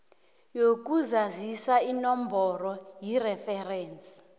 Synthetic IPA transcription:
jok̬uzazisainɔmbʱɔrɔjirɛfɛrɛːnt͡sʼi̥

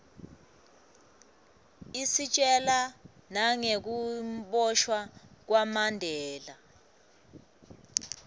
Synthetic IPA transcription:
isit͡ʃʼɛlanaŋek̬uɓɔʃwak̬wamandʱɛːla

